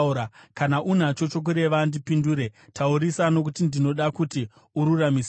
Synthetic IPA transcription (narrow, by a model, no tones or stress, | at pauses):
ɾakanaʔunat͡ʃo̞t͡ʃo̞k̬uɾe̞ʋandipinduːɾe̞tʰauɾisano̞k̬utindino̞ɗakuti | uɾuramis